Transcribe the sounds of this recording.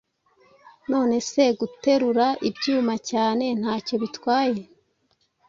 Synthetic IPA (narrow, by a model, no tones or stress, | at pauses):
no̞ːne̞se̞ɡute̞ɾuɾaʔibɟuːmacaːne̞n̥haːco̞βitwaːje̞